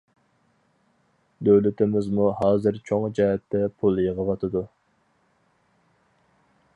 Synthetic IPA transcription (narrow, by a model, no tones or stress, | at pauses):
d̪øwlɪt̪ɪmɪzmuhɑːzɨɾt͡ʃʰoŋd͡ʒɛɦɛt̪ʰːɛpʰulˠjəʁəvɑt̪ʰɨd̪u